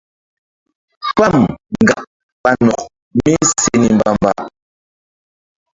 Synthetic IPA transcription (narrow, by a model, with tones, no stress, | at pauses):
fa˦˨m˨ɡa˨ʔ | ɓa˨nɔ˨k̚ | mi˦se˨ni˨mba˨mba̰˨